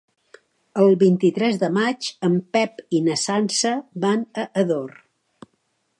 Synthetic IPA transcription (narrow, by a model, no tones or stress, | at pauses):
əlˠβint̪it̪ɾɛzðəmat͡ʃəmpɛpinəsansəβanəʔəðor